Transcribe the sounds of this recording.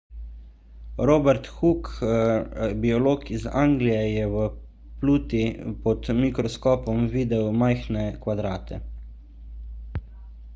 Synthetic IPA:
ɾoːbɛɾt̪xuk | biɔloːkizaːŋɡlijɛjɛʋə | pluːt̪ipɔt̪mikɾɔskɔːpɔmʋiːd̪ɛwmajxnɛkʋad̪ɾaːt̪ʰɛ̰

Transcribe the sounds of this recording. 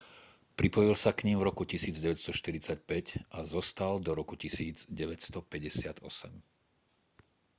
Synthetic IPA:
pɾipɔjilsakɲimvɾɔkucisiːd͡zɟɛʋɛcst̪ɔʃt̪iɾit͡sac̚pɛcʔazɔst̪ald̪ɔɾɔkucisiːd͡zɟɛʋɛcst̪ɔpɛɟɛsɪad̪ɔsɛm

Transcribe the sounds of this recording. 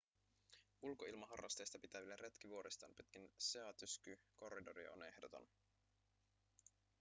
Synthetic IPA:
ulko̞ilmɑɦɑ̰rːɑ̰st̪ejst̪ɑpit̪æʋilːeret̪k̟iʋuo̞ɾist̪ɑːnpyt̪kinse̞ɑt̪yskyko̞rːido̞ɾḭo̰ne̞hdot̪o̰n

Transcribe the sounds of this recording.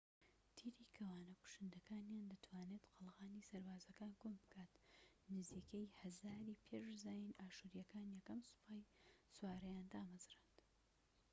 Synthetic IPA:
t̪ʰiɾiːkʰɐwaːnɐkʊ̥ʃɨnd̪ɐkaːnjaːnd̪ɐt̪ʰwaːneːt̪qʰɨlˠʁaːnisɐɾbaːzɐkaːnɡombɨkʰaːt̪ | nɨziːkʰejhɐzaːɾiːpʰeʃzaːjinaːʃuɾijɐkaːnjɛkɐmsɨ̥pʰaːjsuwaːɾɐjaːnd̪aːmɐzrand̪̥

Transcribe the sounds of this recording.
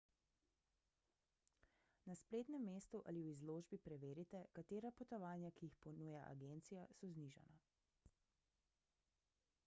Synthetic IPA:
naspleːt̪nɛmːeːst̪uʔa̰liwizloːʒbipɾɛʋeːɾit̪ɛkat̪eːɾapɔt̪ɔʋaːnjakijixpɔnujaʔa̰ɡeːnt̪sijasɔzniʒa̰na̰

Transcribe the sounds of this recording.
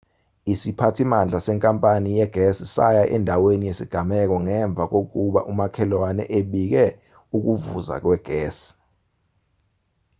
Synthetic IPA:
isipʰatʰimand͡ɮʱasɛŋkʼampʼanijɛɡ̥ʱesisa̰jaʔɛndʱawenijesiɡ̥ʱamɛk̬ɔŋɛɱb̪vʱak̬ok̬uɓa̰ʔumakʰɛlwanɛ̰ʔeɓik̬ɛ | uk̬uvuza̰k̬wɛɡ̥ʱɛːsi̥

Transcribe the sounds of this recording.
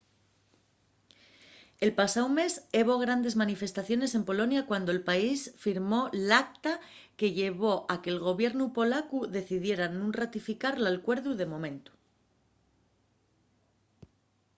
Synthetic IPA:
e̞lpasawme̞se̞β̞o̞ɣ̞ɾand̪e̞zmanife̞st̪aθjo̞ne̞se̞mpo̞lo̞njakwand̪oe̞lpaisfiɾmo̞lakt̪a | ke̞ʝe̞β̞o̞ʔake̞ːlɣo̞βje̞ɾnupo̞lakuðe̞θiðje̞ɾanũnrat̪ifikaɾlalkwe̞ɾðuð̞e̞mõ̞mẽ̞nt̪u̥

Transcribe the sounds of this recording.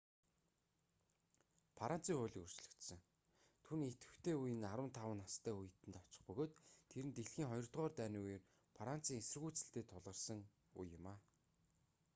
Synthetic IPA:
pʰaɾan̥t͡siːŋχʊːɮʲiːkɵr̥t͡ɕɮɵ̆kt̪sə̆ŋ | t̪ʰunet̪ɵ̆xt̪ʰeːujɘ̆naɾwə̆nt̪ʰawə̆nast̪ʰæːujɘ̆t̪ɘ̆nt̪ɔt͡ɕɪ̆χpɵɣoːt̪t̪ʰeɾɘ̆nt̪eɮxiːŋχɔjɞ̆r̥t̪ʁɔːrt̪æːniːuj̆r | pʰaɾan̥t͡siːŋesɘ̆rɣuːt͡sɘ̆ɬt̪eːt̪ʰʊɮʁə̆rsə̆ŋ | ṵjːʊmaː

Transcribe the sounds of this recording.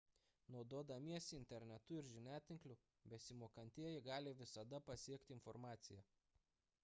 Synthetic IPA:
nɒʊd̪uɔd̪ɐmʲiɛsʲɪɪnʲt̪ʲɛɾʲnʲɛt̪ʊɪɾʒʲɪnʲæːt̪ʲɪŋklʲʊ | bʲɛsʲɪmoːkɐnʲt̪ʲiɛjɪɡɑːlʲɪʋʲɪsɐd̪ɐpɐsʲiɛkt̪ʲɪɪnfɔɾmɑːt̪sʲɪjɛ

